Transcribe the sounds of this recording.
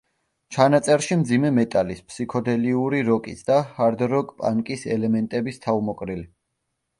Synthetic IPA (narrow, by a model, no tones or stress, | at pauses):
t͡ʃʰanat̪sʼɛɾʃimd̪zimɛmɛt̪ʼalispʰsikʰɔd̪ɛliuɾiɾɔkʼisd̪ahaɾd̪ɾɔkʼpʼa̰ŋkʼisɛlɛmɛnt̪ʼɛbist̪ʰaumɔkʼɾili